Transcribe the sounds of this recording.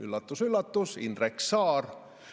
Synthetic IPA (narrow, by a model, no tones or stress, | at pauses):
ylːɑt̪ːusylːɑt̪ːusḭnd̪reksɑːr